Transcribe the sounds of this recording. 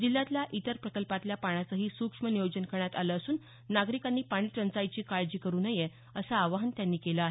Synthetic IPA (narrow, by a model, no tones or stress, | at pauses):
d͡ʑilːat̪ljaʔit̪əɾpɾəkəlpat̪ljapaɽ̃at͡səɦiːsukʂmənijod͡ʑənkəɳjat̪aləːsuːnː | aɡɾikanːiːpaɽ̃iːʈɾənt͡sajt͡ɕiːkaɭd͡ʑiːkəɾuːnəje | əsaːʋaɦənt̪janːiːkelaaɦe